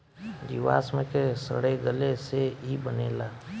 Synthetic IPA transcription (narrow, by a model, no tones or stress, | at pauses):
d̪iʋa̰ːsmẽkesə̰ɽeɡəleseibənḛːlaː